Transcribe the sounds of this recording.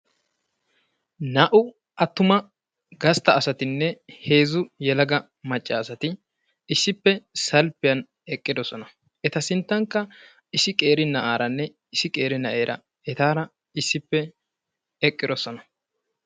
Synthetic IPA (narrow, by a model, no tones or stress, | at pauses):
nɐʔʊ | ʔɐt̪ːʊmɐ | ɡɐst̪ɐːsɐt̪ɪnːɛhe̞ːzʊjɛlɐɡɐ | mɐt͡ʃʼːɐːsɐt̪ɪ | ɪsːɪpːɛsɐlpːɪjɐn | ɛkʼːɪd̪ɔsɔnɐ | ʔɛt̪ɐsɪnt̪ːɐŋkːɐ | ɪsɪkʼe̞ːɾɪnɐʔaːɾɐnːɛ | ɪsɪkʼe̞ːɾɪnɐʔe̞ːɾʔɐ̰ | ɛt̪aːɾɐ | ɪsːɪpːɛ | ɛkʼːɪd̪ɔsɔnɐ̥